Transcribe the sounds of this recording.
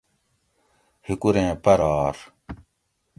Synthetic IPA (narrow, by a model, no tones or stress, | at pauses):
hikuɾẽːpɐɾaːɾ